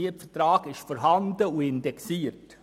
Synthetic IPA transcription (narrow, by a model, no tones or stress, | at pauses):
iətfətɾaːɡ̥ɪʃfɔɾɦɑndəuɪndɛksiːəɾt